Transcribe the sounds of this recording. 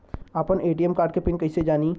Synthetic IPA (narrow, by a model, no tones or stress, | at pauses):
aːpəneːʈiɛmkaːɾɖkepɪnkɐɪsed͡ʒaːni